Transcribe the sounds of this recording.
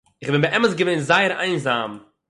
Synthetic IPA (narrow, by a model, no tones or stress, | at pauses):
ɪχbɪnbəʔɛməsɡəveɪnzaɪəɾaɪnzam